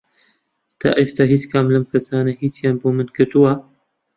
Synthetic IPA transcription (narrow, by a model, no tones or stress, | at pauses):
t̪ʰa̰ʔest̪aːɦiskaːmlɐmkʰɐsaːnehisjaːnbomɨnkɨt̪uwa